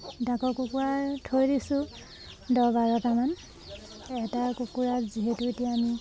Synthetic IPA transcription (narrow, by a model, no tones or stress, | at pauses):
dakɔkukuatʰojdisʊ̃ | dɔbaɹɔtaman | ɛtakukuɹaziɦetuetijaːmi